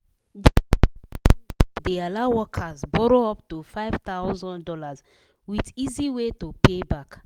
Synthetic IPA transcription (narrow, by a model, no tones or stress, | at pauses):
dealaʊwɔkʰazbɔɹoɔptufaɪv̥t̪aʊzɔ̃ndɔlaz | widiziwetopebak